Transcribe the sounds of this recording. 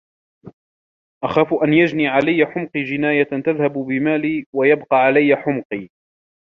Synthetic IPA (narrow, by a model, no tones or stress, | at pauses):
ʔaxaːfʔanjad͡ʒniːʕalajːaħʊmqiːd͡ʒɪnaːjat̪aðhabbɪmaːliːwajabqɑʕalajːaħʊmqiː